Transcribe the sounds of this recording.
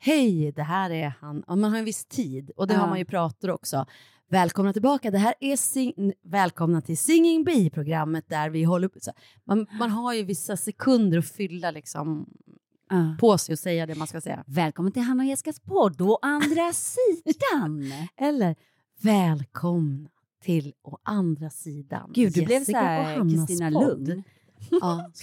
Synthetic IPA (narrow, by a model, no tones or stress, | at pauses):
hɛjd̪ɛɦæːɾɛhanamanɦhaɾjɛnvɪst̪ʰiːd̪ɔd̪ɛɦaɾmanjɵpʰɾɑːt̪aɾɔksɔ | vɛːlkʰɔmnat̪ʰɪlbɑːkad̪ɛɦæːɾɛsɪŋvɛːlkʰɔmnat̪ʰɪlsɪŋːɪŋbiːpʰɾʊɡɾamːət̪̚d̪æɾvɪɦɔlːəsɔ | manmanɦaɾjɵvɪsːasɛkʰɵnd̪əɾɔfʏlːalɪksɔ̰m | pʰɔsɛjɔsɛjːad̪ɛmanskasɛ̰jːa̰vɛːlkʰɔmnat̪ʰɪlɦanːajɛskaspʰɔɖɔʔand̪ɾasiːd̪anʔɛlːəɾ | vɛːlkʰɔmna | t̪ʰɪlʔɔʔand̪ɾasiːd̪a̰nɡ̥ʉːd̪ɵblɛvsɪɔhanɾsaiːnalɵnd̪ | ɑː